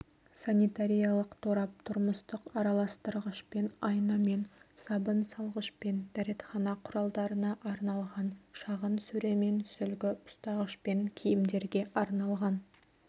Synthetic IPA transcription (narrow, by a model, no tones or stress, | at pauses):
sanijt̪aɾijɑlˠəqt̪ʰoɾɑp̚t̪ʰʊɾməst̪əqɑɾɑlˠɑst̪əɾʁəʃpenɑjnɑme̞nsɑbənsɑlˠʁəʃpe̞nd̪̥æɾe̞t̪χɑnɑqʰʊɾɑlˠd̪ɑɾənɑʔɑɾnɑlˠʁɑnʃɑʁənsɵɾe̞me̞nsʏlɡʲɪʊ̥st̪ɑʁəʃpe̞ŋkʲʰijɪmd̪e̞ɾɡʲe̞ʔɑɾnɑlˠʁɑn